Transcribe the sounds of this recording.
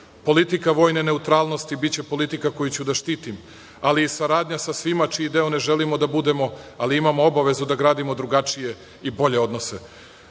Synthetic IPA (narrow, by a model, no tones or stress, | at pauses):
po̞lit̪ikaʋo̞ːjne̞ne̞ut̪ɾaːlˠno̞st̪ibit͡ɕe̞po̞lit̪ikako̞jut͡ɕud̪aʃt̪iːt̪im | aliːsaɾaːd̪ɲasasʋimat͡ʃiid̪eone̞ʒelimo̞d̪abud̪e̞mo̞aliimamo̞o̞baʋe̞zud̪aɡɾaːd̪imo̞d̪ɾuɡat͡ʃije̞ | ibo̞ʎe̞o̞d̪no̞se